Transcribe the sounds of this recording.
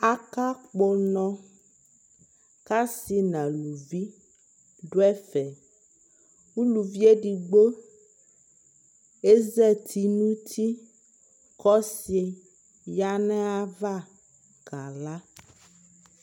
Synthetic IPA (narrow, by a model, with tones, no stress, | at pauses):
a˦ka˦k͡po˨nɔ̃˦ | ka˦si˨nã˨lu˨vi˦ | ɖo˦ɛ˦fɛ˨ | ŋu˦lu˨vi˦e˦ɖi˨ɡ͡bo˦ | e˦zɛ˦t̪ʰi˨nũ˦t̪ʰi˦ | kɔ˦si˨e˨ | ja˦nɛ̃˦a˨va˦˨ | ka˨la˦